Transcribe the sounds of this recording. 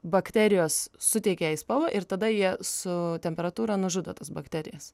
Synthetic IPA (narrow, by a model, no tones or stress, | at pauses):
bɐkt̪ʲæːɾʲɪjoːssʊt̪ʲɛɪkʲeɛɪspɐlˠoʔɪɾt̪ɐd̪ɐjiɛsʊt̪ʲɛmʲpʲɛɾɐt̪uːɾɐnʊʒʊd̪oːt̪ɐsbɐkt̪ʲæɾʲɪ̰jɛs